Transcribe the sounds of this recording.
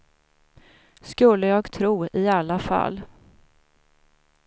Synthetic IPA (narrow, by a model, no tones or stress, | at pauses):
skɵlːəjɑːɡt̪ʰɾuːɪalːafa̰lː